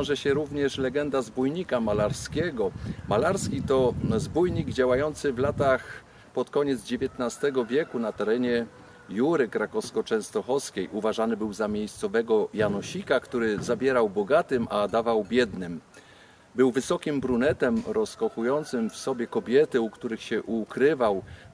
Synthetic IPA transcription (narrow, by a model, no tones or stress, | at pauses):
vʲjɔ̃w̃ʐɛɕɛɾuvɲɛʂlɛɡɛnd̪azbujɲikamalaɾskʲɛɡɔmalaɾskʲit̪ɔzbujɲiɡd͡ʑawajɔnt̪sɘvlat̪ax | pɔt̪kɔɲɛd̪zd͡ʑevʲjɛt̪nast̪ɛɡɔvʲjɛkunat̪ɛɾɛɲɛ | juɾɘkɾakɔskɔt͡ʂɛ̃w̃st̪ɔxɔskʲejʔuvaʐanɘbɘwzamʲjejst̪sɔvɛɡɔjanɔɕikakt̪uɾɘzabʲjɛɾawbɔɡat̪ɘmʔad̪avawbʲjɛd̪nɘm | bɘwvɘsɔkʲimbɾunɛt̪ɛmɾɔskɔxujɔnt̪sɘmfsɔbʲjɛkɔbʲjɛt̪ɘukt̪uɾɘxɕɛʔukɾɘvaw